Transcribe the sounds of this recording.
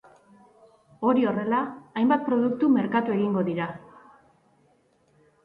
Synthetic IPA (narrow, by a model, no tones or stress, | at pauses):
o̞ɾio̞re̞laːjmbat̪̚pɾo̞ðuk̚t̪ume̞ɾkat̪ue̞ɣiŋɡo̞ðiɾa